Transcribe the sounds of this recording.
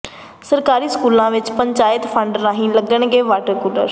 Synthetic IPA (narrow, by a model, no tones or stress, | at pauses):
səɾkaːɾiːskuːlãːʋɪt͡ʃpəɲt͡ʃaːjɪt̪pʰə̃ɳɖnãːɦĩːləɡəɳ̃ɡeːʋaːʈəɾkuːlə̰ɾ